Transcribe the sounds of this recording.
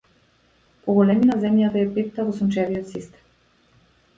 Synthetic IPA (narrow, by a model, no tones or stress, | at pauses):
pɔɡɔlɛminazɛmjat̪aɛpit̪t̪avɔsunt͡ʃɛviɔt̪sist̪ɛ̥m